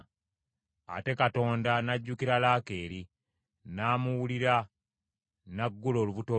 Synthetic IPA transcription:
a̰te̞kato̞ːndanaɟːukiɾalaːke̞ːɾi | naːmuwuliɾa | naɡːulo̞ːluβuto

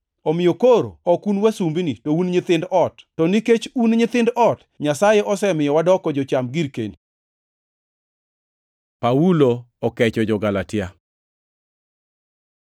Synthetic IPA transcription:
ɔmɪjokoɾo̰ɔkunwasumbinitounɲɪt̪ɪndɔtːɔniket͡ʃunɲɪt̪ɪndɔt | ɲasajeʔɔsɛmɪjɔwadɔkɔd͡ʒɔt͡ʃamɡiɾkeni | pauloɔkɛt͡ʃɔd͡ʒɔɡalatɪa

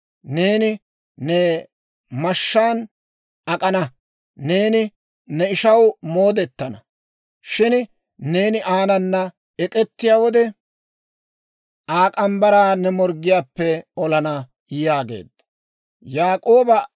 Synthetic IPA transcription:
ne̞ːnɪ | nɛ | mɐʃːaːn | ɐkʼɐnɐ | ne̞ːnɪ | nɛɪʃɐwmo̞ːd̪ɛt̪ːɐnɐ̰ | ʃɪn | ne̞ːnɪʔaːnɐnːɐ | ɛkʼɛt̪ːɪjaːwɔd̪ɛ | ʔaːkʼɐmbɐɾaːnɛmɔɾɡɪjaːpːɛɔlɐnɐ | jjaːɡe̞̰ːd̪ɐ | jaːkʼo̞ːbɐ

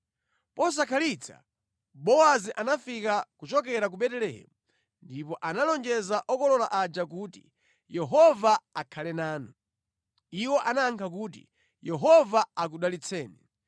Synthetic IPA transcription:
pɔs̬akʰalit͡sʰḁ̰ | ɓɔaziʔanafikakut͡ʃɔkɛɾak̬uɓɛtɛlɛɦɛ̰mu | ndipɔʔanalɔnd͡ʒɛzaʔɔkɔlɔlaʔad͡ʒak̬uːti̥̰ | jɛɦɔvaakʰalɛnaːnɔ | iwɔʔanaŋkʰak̬uːtḭ | jɛɦɔvaak̬uɗalit͡sʰɛːnɛ

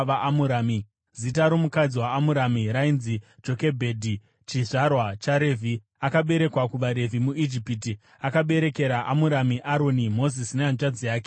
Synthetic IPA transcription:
ʋaʔamuɾaːmi | zitaɾo̞mukad͡ziwaːmuɾamiɾainzid͡ʒo̞kebʱedʱi | t͡ʃiʐarwat͡ʃaɾe̞vʱi | akaɓe̞ɾe̞kwakuʋaɾe̞vʱimuid͡ʒipiti | akaɓe̞ɾe̞ke̞ɾaʔamuɾamiʔaɾo̞nimo̞zisineant͡ʃad͡zijaːke

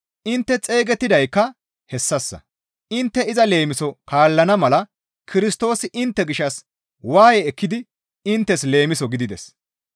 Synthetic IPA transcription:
ʔɪnt̪ːɛt͡sʼe̞ːɡɛt̪ːɪd̪ɐjkːɐ | hɛsːɐsːɐ̰ | ʔɪnt̪ːɛɪzɐle̞ːmɪsɔkaːlːɐnɐmɐlɐ | kʰɪɾɪst̪o̞ːsɪʔɪnt̪ːɛɡɪʃːɐs | waːjɛːkːɪd̪ɪ | ɪnt̪ːɛsle̞ːmɪsɔɡɪd̪ɪd̪ɛs

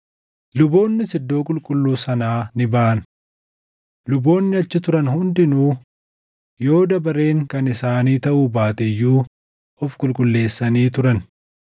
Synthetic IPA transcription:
lʊbo̞ːnːɪsɪd̪ːo̞ːkʼʊlkʼʊlːuːsɐnaːnɪbaːʔɐn | lʊbo̞ːnːɪɐt͡ʃːɪt̪ʊɾɐnhʊnd̪ɪnuː | jo̞ːd̪ɐbɐɾe̞ːŋkɐnɪsaːniːt̪ɐʔuːbaːt̪ɛjːuː | ʔɔfkʼʊlkʼʊlːe̞ːsːɐniːt̪ʊɾɐn

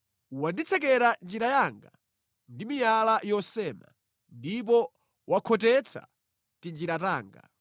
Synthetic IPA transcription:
wandit͡sʰɛk̬ɛɾand͡ʒiɾajaŋɡa | ndimijalajɔsɛma̰ | ndip̬ɔ | wakʰɔtɛt͡sʰa̰ | tind͡ʒiɾata̰ːŋɡa̰

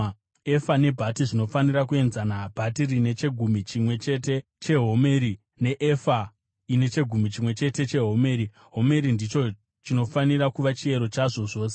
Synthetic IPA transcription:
efane̞bʱatiʐino̞fanirakue̞nzanabʱatirine̞t͡ʃe̞ɡʱumit͡ʃimwe̞t͡ʃe̞te̞ | t͡ʃe̞ɦo̞meːɾi | ne̞ʔefa | ine̞t͡ʃe̞ɡʱumit͡ʃimwe̞t͡ʃe̞te̞t͡ʃe̞ɦo̞me̞ːɾi | ɦo̞me̞ɾindit͡ʃo̞ | t͡ʃino̞fanirakuʋat͡ʃie̞ɾot͡ʃaʐo̞ʐo̞ːse

